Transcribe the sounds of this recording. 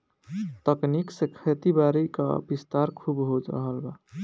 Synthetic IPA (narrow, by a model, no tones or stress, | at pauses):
t̪əkniksekʰet̪ibaɾika̰bist̪aɾkʰubɦod͡ʒɾə̰ɦəlba̰